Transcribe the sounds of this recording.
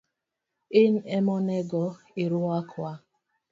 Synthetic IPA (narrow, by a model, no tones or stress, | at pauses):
ɪn̩ɛmɔnɛɡɔ | iɾʊakʰwa